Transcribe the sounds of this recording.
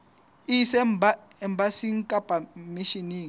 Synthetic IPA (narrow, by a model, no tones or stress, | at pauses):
isɛmbaɛmbʱasiŋkʼab̥ʱamiʃiniːŋ